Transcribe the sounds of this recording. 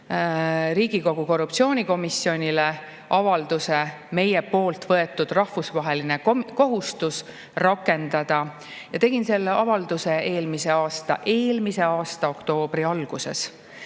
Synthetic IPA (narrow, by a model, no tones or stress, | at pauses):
ɾiːɡ̥iko̞ɡ̥uko̞rːup̚t̪sio̞ːnʲiko̞misːjo̞nʲile̞ | ʔɑvɑld̪use | me̞je̞po̞ːlt̪vɤe̞t̪ːˑud̪̥rɑhvusvɑɦe̞line̞ko̞ɦust̪us | rɑkːˑe̞nd̪̥ɑd̪̥ɑ | jɑt̪e̞ɡ̥inse̞lːeʔɑvɑld̪use̞ʔe̞ːlmise̞ɑːst̪ɑ̰ʔe̞ːlmise̞ɑːst̪ɑo̞kt̪o̞ːb̥riɑlɡ̥use̞̰s